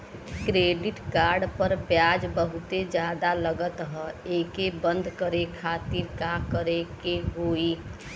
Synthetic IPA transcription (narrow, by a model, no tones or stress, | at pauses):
kɾeːɖɪʈkaːɾɖpəɾpjaːd͡ʒbəɦʊt̪ed͡ʒjaːd̪aləɡət̪ɦəeːkebə̃nd̪ʱkəɾekʰaːt̪iɾkakəɾekeɦoːi